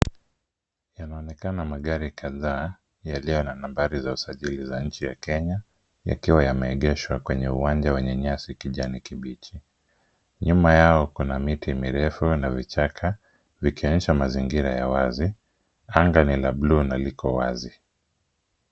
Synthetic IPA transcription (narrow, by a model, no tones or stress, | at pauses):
janaɔnɛkanamaɠaɾikaðaː | jalijɔnanambaɾizausaʄilizaɲ̩t͡ʃija̰kɛɲa | ja̰kiwajamɛːɠɛʃwakwɛɲɛuwand͡ʒawɛɲɛɲasikiʄanikiɓit͡ʃi | ɲumajaɔkunamitʰimiɾɛfunavit͡ʃakʰa | vikiɔɲɛʃamaziŋɡiɾajawazi | aŋɡanilablunalikʰɔwa̰zi